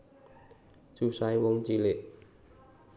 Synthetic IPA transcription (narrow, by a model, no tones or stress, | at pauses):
susajwoŋt͡ɕilet̚